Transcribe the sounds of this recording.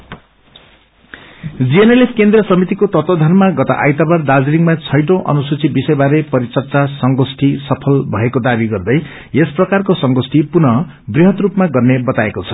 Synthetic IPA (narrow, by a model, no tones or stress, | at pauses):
d͡zienelepʰkend̪rʌsʌmit̪ikot̪ʌt̪od̪ʱʌnmaɡʌt̪a̰ʔa̰jt̪abʌrd̪ad͡ziliŋɡmat͡sʰʌjʈõʔʌ̰nusut͡sʰibisʌjbaɾepʌɾit͡sʌrt͡sasʌŋɡosʈʰisʌpʰʌlbʱʌekod̪abiɡʌrd̪ʌj | esprʌkarkosʌŋɡosʈipunʌ | briɦʌt̪rupmaɡʌrnebʌt̪aekot͡sʰʌ̥